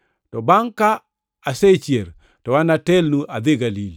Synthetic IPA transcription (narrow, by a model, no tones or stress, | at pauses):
tɔbaŋkaː | set͡ʃieɾ | tɔwanatelnuʔad̪eɡalil